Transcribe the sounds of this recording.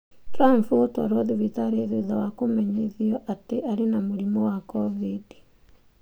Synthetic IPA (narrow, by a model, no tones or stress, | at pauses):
tɾampuotɔ̰ɾɔðiβitaɾeðiðawakomɛɲeðiɔʔateʔaɾenamuɾimɔwakɔvidi̥